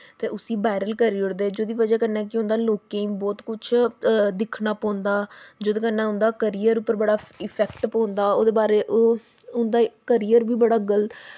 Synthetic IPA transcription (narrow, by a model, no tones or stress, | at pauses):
t̪eːʔʊsiːbaːɪɾəlkəɾiːʊɽd̪eːd͡ʒoːd̪iːʋəd͡ʒaːkənɛːkɪʊ̃nd̪aːloːkẽːĩːbɔːt̪kʊt͡ʃʰd̪ɪkʰnaːpɔ̃ːnd̪aːd͡ʒoːd̪eːkənːãːʊ̃nd̪aːkəɾijəɾʊpːəɾbəɽaːɪpʰɛːkʈpɔ̃ːnd̪aːoːd̪eːbaːɾeːʔoː | ʊnd̪aːkəɾiːəɾbiːbəɽaːɡəlt̪